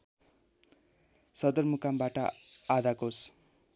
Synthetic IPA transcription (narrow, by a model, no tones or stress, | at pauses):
sʌd̪ʌrmukambaʈʌad̪akos